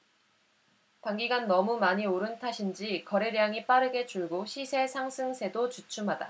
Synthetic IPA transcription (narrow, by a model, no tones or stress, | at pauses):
paŋɡiɡanːʌmumaɲioɾɯntʰaɕʰind͡ʑikʌɾeɾjaŋip͈aɾɯɡe̞t͡ɕuɭɡoɕʰisʰe̞sʰaŋsʰɯŋsʰe̞dot͡ɕut͡ɕʰumɦada̰